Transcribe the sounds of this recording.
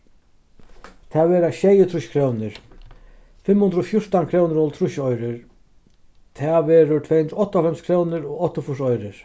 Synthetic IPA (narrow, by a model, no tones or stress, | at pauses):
t̪ʰɛʋɛːɾaɕɛjət̪ʰɾʊɕkʰɾownɪɾ | fɪmhʊnd̪ɾɔfjʊɹ̥t̪ankʰɾoːwnɪɾɔlt̪ʰɾʊʃɔjɾɪɾ | t̪ʰaʋɛːɾʊt̪ʰɛːhʊnɾʊɔht̪ːɔfɛmskʰɾoːwnɪɾɔɔt̪ːɔfʊʂɔjɾɪɹ